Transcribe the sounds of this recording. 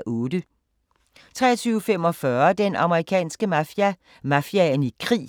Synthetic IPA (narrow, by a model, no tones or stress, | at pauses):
ʔɔ̽ːdə | t͡sʰʁɛ̰ːɐt͡sʰyːʊəfem̰ɒ̽fɶɐd̥enɑ̈məʁikʰɛ̰ːnsɡ̥ə | mæfiænikʰʁḭː